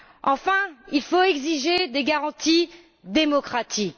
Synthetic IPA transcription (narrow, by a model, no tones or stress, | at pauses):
ɑ̃fɛ̃ilfoɛɡziʒed̪eɡaʁɑ̃t̪i | d̪emɔkχat̪ik